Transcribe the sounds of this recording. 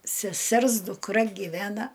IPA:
sʲɛˈsʲɛrs dʊkˈrɐ ɡʲɪˈʋʲæːnɐ

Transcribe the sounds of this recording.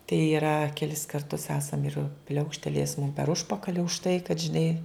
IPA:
tɐɪ ɪˈrɐ kʲɛˈlʲɪs kɐrˈtʊs ˈæːsɐm ɪr ˈpʲlʲɛʊkʃʲtʲɛlʲeːjɛs mʊm pʲɛr ˈʊʃpɐkɐlʲɪ ʊʃ tɐɪ kɐt ʒʲɪˈnɐɪ

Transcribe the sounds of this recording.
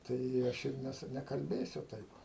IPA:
ˈtɐɪ ɪ ˈɐʃ ɪr ˈnʲæːsʊ nʲɛkɐlʲˈbʲeːsʲʊ ˈtɐɪp

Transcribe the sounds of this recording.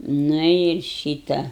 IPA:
ˈnʊ ɪr ˈʃʲiːtɐ

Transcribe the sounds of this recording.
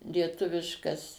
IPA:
lʲiɛˈtʊʋʲɪʃkɐs

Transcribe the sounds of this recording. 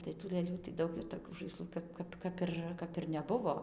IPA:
tɐɪ tuː lˠɘˈlʲuː tɐɪ ˈdɐʊk ɪr toːˈkʲuː ʒɐɪˈslˠuː ˈkɐp ˈkɐp ˈkɐp ɪr ˈkɐp ɪr nʲɛˈbʊʋoː

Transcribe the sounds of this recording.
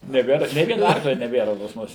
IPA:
nʲɛˈbʲeːr nʲeː ˈʋʲiɛnɐ ˈɐrklʲɛ nʲɛˈbʲeːrɐ pɐs ˈmʊs

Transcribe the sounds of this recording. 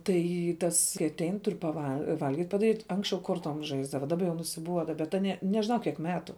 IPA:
ˈtɐɪ ˈtɐs kɐɪ ɐtʲˈɛɪn ˈtʊr pɐˈʋɐ ˈʋɐlʲɡʲiːtʲ pɐdɐˈrʲiːtʲ ˈɐŋksʲt͡ʃʲɛʊ ˈkoːrtoːm ˈʒɐɪzdɐʋɐ dɐˈbɐ jɛʊ nʊsʲɪˈbuɔdɐ bʲɛt ˈɑːnʲiɛ nʲɛʒʲɪˈnɐʊ ˈkʲiɛk ˈmʲæːtʊ

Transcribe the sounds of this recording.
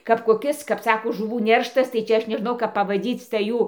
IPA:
kɐp koːˈkʲɪs kɐp ˈsɑːkoː ʒʊˈʋuː ˈnʲɛrʃtɐs tɐɪ ˈt͡ʃʲɛ ˈɐʃ nʲɛˈʒnɐʊ kɐp pɐʋɐˈdʲiːt͡s tɐɪ ˈjuː

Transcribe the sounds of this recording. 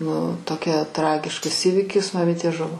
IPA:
nʊ toːˈkʲɛ ˈtrɑːɡʲɪʃkɐs ˈiːʋʲɪkʲɪs mɐˈmʲɪtʲeː ˈʒʊʋoː

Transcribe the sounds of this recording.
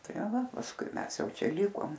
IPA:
ˈtɐ ˈʋɐ pɐsˈkʊɪ ˈmʲɛs ˈjɛʊ ˈt͡ʃʲɛ ˈlʲɪkoːm

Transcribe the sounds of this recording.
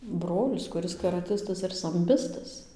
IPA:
ˈbroːlʲɪs kʊˈrʲɪs kɐrɐˈtʲɪstɐs ɪr sɐmʲˈbʲɪstɐs

